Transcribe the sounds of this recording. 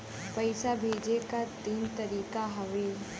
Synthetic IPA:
pɐɪsabʱeːd͡ʒekat̪iːnt̪ɐɾiːkaɦɐʋeː

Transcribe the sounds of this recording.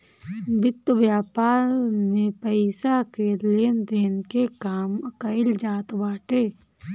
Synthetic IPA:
bɪt̪ːʋjaːpaːɾmẽpəɪsakelend̪eːnkekaːməkəɪld͡ʒaːt̪ʋaːʈeː

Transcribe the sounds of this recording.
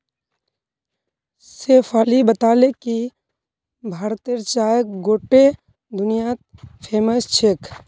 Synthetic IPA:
seːfʰaːlibət̪aːleki | bʱaːɾt̪iəɾt͡ʃaːjək̚ɡoːʈe | d̪ʊnɪjat̪̚pʰeːməst͡ʃʰek

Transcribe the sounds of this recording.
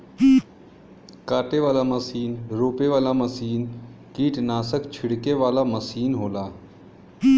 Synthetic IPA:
kaːʈeʋaːlaməsiːnɾoːpeʋaːlaməsiːnkiːʈnaːsəkt͡ʃʰɪɽkeʋaːlaməsiːnɦoːlaː

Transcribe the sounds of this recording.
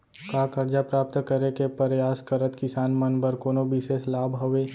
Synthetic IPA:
kaːkəɾd͡ʒapɾaːp̚t̪kəɾekepəɾjaːskəɾət̪kɪsaːnmənbəɾkoːnobɪʃeːslaːbɦəʋe

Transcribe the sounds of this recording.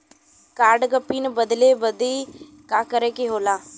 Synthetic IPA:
kaːɾɖɡəpːiːnbəd̪leːbəd̪eː | kaːkəɾeːkeɦoːlaː

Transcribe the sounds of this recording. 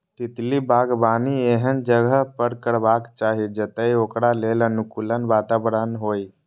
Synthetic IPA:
t̪ɪt̪libʱaːɡbaːnieɦənd͡ʒəɡəɦpəɾkəɾbaːkt͡ʃaːɦid͡ʒət̪əioːkɽaleːlənʊkuːlənbaːt̪aːbɾənɦoːi

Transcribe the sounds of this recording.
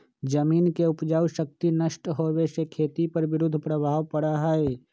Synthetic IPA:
d͡ʒəmiːnkeʊpd͡ʒaːwʃək̚t̪inəʃʈɦoːweʃekʰeːt̪ipɐɾʋɪɾʊd̪ʱːpɾəbʱaːʋpəɽaɦɛe

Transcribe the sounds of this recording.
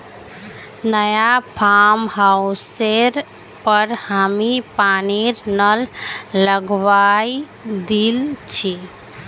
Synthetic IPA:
nəjapʰamɦawseɾ | pəɾhamipaniɾnəlːəɡʋaj | d̪ilt͡ʃʰi

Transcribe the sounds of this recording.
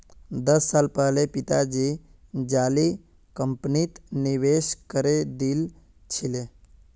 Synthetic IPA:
d̪əsːalpəɦlepit̪ad͡ʒid͡ʒali | kəmpnit̪niʋeʃkəɾed̪il | t͡ʃʰile

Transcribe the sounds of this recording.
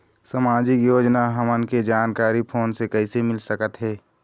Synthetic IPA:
səmaːd͡ʒɪkjoːd͡ʒnaɦəmənked͡ʒaːnkaːɾipʰoːnsekəɪsemɪlsəkət̪ɦɛː

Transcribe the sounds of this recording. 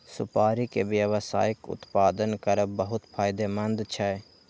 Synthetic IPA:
sʊpaːɾikeʋjəʋsa̰ːɪkʊ̰t̪paːd̪ənkəɾəbəɦʊt̪pʰaːɪd̪emə̃nd̪t͡ʃʰɛ

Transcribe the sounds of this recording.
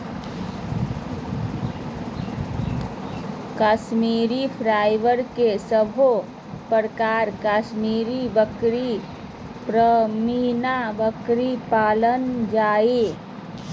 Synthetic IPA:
kaːʃmiːɾipʰɾaːjʋəɾkesəbʱo | pəɾəkaːɾkaːʃmiːɾibəkɾi | pɾəmiːnabəkɾipaːlənd͡ʒaːe

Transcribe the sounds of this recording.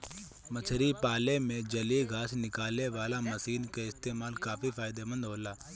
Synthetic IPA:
mət͡ʃʰɾipaːlemẽd͡ʒɐleɡʱaːsnɪkaːlneʋaːlamɐsiːnkaɪst̪eːmaːlkaːfifaːɪd̪emə̃nd̪ɦoːlaː

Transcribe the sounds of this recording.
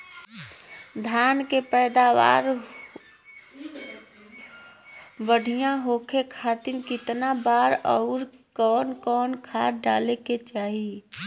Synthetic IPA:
d̪ʱjankepəɪd̪aʋa̰ːɾ | bəɽ̤ijãɦokʰekʰat̪ɪɾkɪt̪nabaɾɔʊɾ | kɔːnkɔːnkʰaɖaleket͡ʃaːɦi

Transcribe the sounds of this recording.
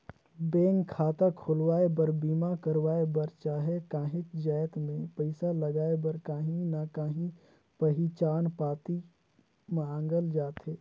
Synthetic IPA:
bẽːŋɡkʰaːt̪akʰʊlwaːebəɾbiːmakəɾwaːebəɾt͡ʃaːɦɛkãːɦɪkd͡ʒaːjt̪mẽpəɪsaləɡaːebəɾkaːɦĩnakaːɦĩ | pəɦit͡ʃaːnpaːt̪i | mãːŋɡəld͡ʒaːt̪ɦeː

